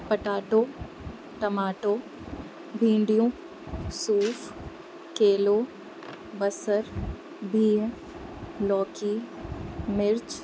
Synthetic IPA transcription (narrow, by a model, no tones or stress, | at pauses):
pɐʈaːʈoː | ʈɐmaːʈoː | bʱĩːɳɖijõː | suːf | keːloː | bɐsəɾ | bʱĩːɦ | lɔːkiː | mɪɾt͡ʃ